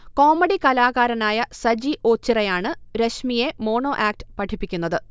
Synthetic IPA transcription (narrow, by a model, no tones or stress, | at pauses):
ko̞ːmɐɽikɐlaːɣaːɾɐnaːjɐsɐd͡ʑiʔo̞ːt͡ɕːirɐjaːɳɨɾeɕmije̞mo̞ːɳo̞ːʔaːk̚ʈɨ̥pɐʈʰipːikʲːunːɐðɨ